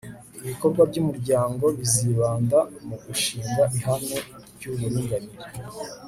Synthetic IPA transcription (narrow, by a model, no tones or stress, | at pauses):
iβiko̞ɾɡwabɟumuɾɟaːŋɡo̞βiziβaːndamuɡuʃiːmbaʔiɦanŋe | ɟuβuɾiːŋɡaniɾe